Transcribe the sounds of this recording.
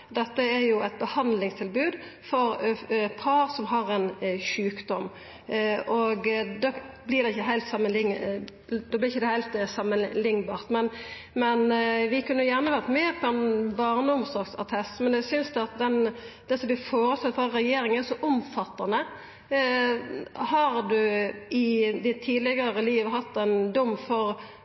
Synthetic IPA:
d̪ɛt̪ːəæɾjʊæɪt̪̚bəhɑnd̪lɪŋst̪ʰɪlbʉːd̪ | fɔɾpʰɑɾsɔmɦɑɾɛnʃʉːkd̪ɔm | ʔɔɡd̪oːblɪɾd̪ɛɪçːəɦæɪlt̪sɑmːənlɪŋ | d̪oːblɪɾɪçːəd̪ɛhæɪlt̪sɑmːənlɪŋːbɑːʁt̪mɛn | mɛnʋɪkʉnːəjæʁnəʋæʁt̪mɛːpʰɔɛnbɑʁnəʊmsɔʁɡsɑ̰t̪ʰɛst̪mɛnæsʏnsd̪ɛɑt̪̚d̪ɛnd̪̥ɛsɔmʋɪfoːɾəst̪ɛt̪ːfɾɑɾɛjeːɾɪŋənæsɔʔʊmfɑt̪ːɑnə | hɑɾd̪ʉɪd̪ɪt̪ʰːiːd̪lɪɡəɾəliːʋɦɑt̪ːɛnd̪ʊmːfɔɾ

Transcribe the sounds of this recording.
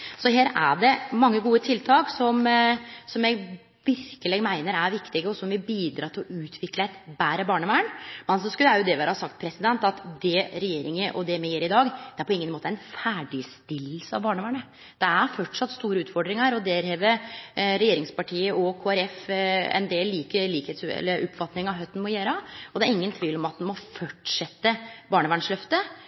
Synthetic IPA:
sɔɦeːɾæ̰ɖɛmɑŋːəɡuːət̪ʰɪlt̪ʰɑːksɔmsɔmjɛɡ | ʋɪɾkəlɛːɡmæɪnəɾæɾʋɪkt̪ɪɡəɔsɔmʋɪbiːd̪ɾɑ̰ːt̪ʰɪlɔʉːt̪ʰʋɪkləæt̪bæːɾəbɑːɳəʋæːəɳmɛnsɔskʉljæjʊd̪ɛʋæːɾəhɑsɑk̚t̪̚pʰɾɛsɪd̪ɛnt̪ɑt̪d̪ɛɾɛjeːɾɪŋəʔɔd̪ɛmɛjeːɾɪd̪ɑːɡd̪ɛæɾpʰɔɪŋːənmoːt̪əæɪnfæːɖɪst̪ɪlːsəɑʋbɑːɳəʋæːɳə | d̪̥ɛæɾfɔʈʂɑt̪ːst̪uːɾəʉːt̪fɔɖɾɪŋəɾɔd̪eːɾheːʋəɾɛjeːɾɪŋspɑʈʰiːəʔɔkʰoːæɾɛfɛ̰ɪnd̪eːlːiːkəːiːkheːt̪sɛ̰lːəɾɔpːfɑt̪nɪŋɑɦœt̪ːn̩mɔjeːɾəɔd̪ɛæɾɪŋːənt̪ʰʋiːlɔmɑt̪̚d̪ɛmɔfɔʈʂɛt̪ːəbɑːɳəʋæːɳʂlœft̪ə

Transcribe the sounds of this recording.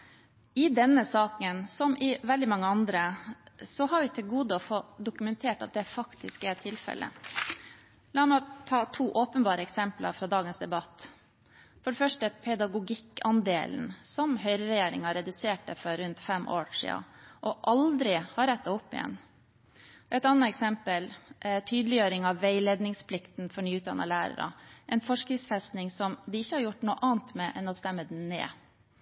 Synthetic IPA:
ɪd̪ɛnːəsɑːkənsɔmʔɪʋɛld̪ɪmɑŋːəɑnd̪ɾəsɔɦɑɾʋɪt̪ʰɪlɡuːd̪əɔfod̪ʊkʉmɛnt̪ʰeːʈɑ̰t̪̚d̪ɛfɑkt̪ʰɪskɛɾt̪ʰɪlfɛ̰lʔə̰ | lɑːmɛt̪ʰɑːt̪ʰuːʔoːpənbɑːɾəɛksɛmplɑ̰ɾfɾɑd̪ɑːɡənsd̪ɛbɑt̪ː | fɔɖɛfœʂʈəpʰɛd̪ɑɡʊɡɪkːɑnd̪ḛːln̩sɔmɦœʏɾəɾɛjeːɾɪŋɑɾɛd̪ʉseːʈəfɔɾːʉnt̪fɛmʔo̰ːʂḭːɑ̰ʔɔʔɑld̪ɾɪhɑɾɛt̪ːɑʊpːɪ̰jɛ̰nː | ʔɛt̪ɑnːəɛksɛmpəlt̪ʰyːd̪əlɪjøːɾɪŋɑʋʋæɪleːd̪nɪŋspʰlɪkt̪n̩fɔɾɳyːʉt̪̚d̪ɑ̰nːə̰læːɾə̰ɾɑ̰ʔɛnfɔʂkɾɪsfɛst̪nɪŋsɔmd̪ɪɪçːəhɑɾjʊʈːnuːəʔɑːnt̪mɛʔɛnɔst̪ɛmːəd̪nnḛː

